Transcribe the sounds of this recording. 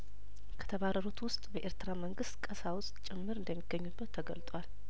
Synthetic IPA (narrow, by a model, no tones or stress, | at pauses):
kʰə̥t̪ʰəβaɾəɾut̪wʊst̪ʼbəʔeɾt̪ɾaməŋɡɨst̪kʼəsawʊst̪ʼt͡ʃʼɪmːɨɾɨnd̪əmːiɡ̥əɲːubːət̪ʰːəɡəlt̪ʼwal